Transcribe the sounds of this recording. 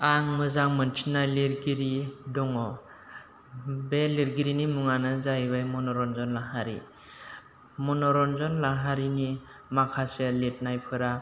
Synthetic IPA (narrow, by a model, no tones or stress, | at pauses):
aŋmɯzaŋmɯnt͡ʃʰinajliɾɡiɾidɔŋɔ | beliɾɡiɾinimuŋanɯzajbajmɔnɔɾɔnzɔnlaɦaɾḭ | mɔnɔɾɔnzɔnlaɦaɾinimakʰaselet̚najpʰɯɾa